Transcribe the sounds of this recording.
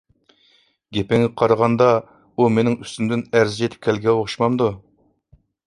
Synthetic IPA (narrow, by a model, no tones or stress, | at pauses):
ɡʲepɛŋːʲɛqʰɑɾəʁɑnd̪ɑ | umenɪŋyst̪ymd̪ɪnæɾzɪd͡ʒet̪ʰɪ̥p̚kʲʰælɡʲɛoχʊʃmɑmd̪u